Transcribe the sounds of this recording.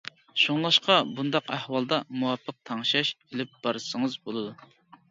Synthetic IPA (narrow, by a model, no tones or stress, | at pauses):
ʃoŋlˠɑʃqɑbund̪ɑqæhwɑlˠd̪ɑmuwɑpʰːəq̚t̪ʰɑŋʃɑʃelɪp̚b̥ɑɾɨsəŋəzbolˠɨd̪u